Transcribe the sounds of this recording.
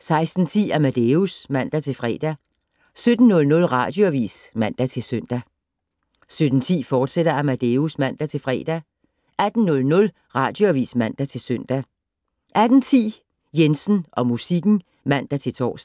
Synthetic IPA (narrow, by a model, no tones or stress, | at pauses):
sɑ̈ɪsd̥n̩t͡sʰḭːæmæd̥eusmæn̰d̥æt͡sʰe̝lfʁɛ̰ːd̥æ | sød̥n̩nɔ̽lnɔ̽lʁɑ̈d̥joʋḭːsmæn̰d̥æt͡sʰe̝lsøn̰d̥æ | sød̥n̩t͡sʰḭːfɒːd̥seɾ̥ɐæmæd̥eusmæn̰d̥æt͡sʰe̝lfʁɛ̰ːd̥æ | ʔæd̥n̩nːɔ̽lnɔ̽l | ʁɑ̈ːd̥joæʋḭːsmæn̰d̥æt͡sʰe̝lsøn̰d̥æ | ʔæd̥n̩t͡sʰḭː | jensn̩ʔɒ̽musiɡ̥n̩ | mæn̰d̥æt͡sʰe̝lt͡sʰɒ̰ːs